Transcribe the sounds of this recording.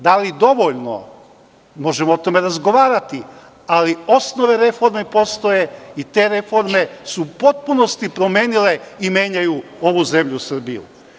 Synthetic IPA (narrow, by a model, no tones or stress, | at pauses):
d̪alid̪o̞ʋo̞ʎno̰ | mo̞ʒemoot̪o̞me̞ɾazɡo̞ʋaːɾat̪i | alio̞sno̞ʋe̞ɾe̞fo̞ɾmepo̞st̪o̞je̞it̪e̞ːɾe̞fo̞ɾme̞supo̞t̪̚puno̞st̪ipɾo̞mʲje̞ːnile̞imje̞ːɲajuo̞ʋuze̞mʎusr̩bḭjṵ